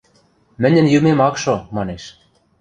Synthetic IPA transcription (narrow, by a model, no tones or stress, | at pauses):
mɘ̆nʲɘ̆njymemɑkʃomɑneʃ